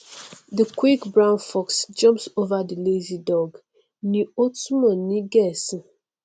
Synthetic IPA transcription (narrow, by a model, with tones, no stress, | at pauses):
də˨kwi˦kbɹã˦ʊ̃nfɔ˦ksd͡ʒʌ̃˦mpso˦va˦də˨le˦zi˨dɔɡ | ni˨o˦tumɔ̃˨ni˦ɡɛ˨s